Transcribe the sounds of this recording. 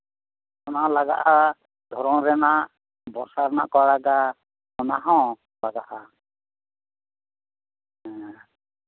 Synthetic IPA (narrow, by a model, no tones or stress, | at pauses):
ɔnalaɡa̰ʔa | d̪ʱɔɾɔŋɾɛnaʔ | bɔsaɾna̰ʔkɔɽaɡa | mɔnaɦɔ̃ | laɡaha | ɛ̃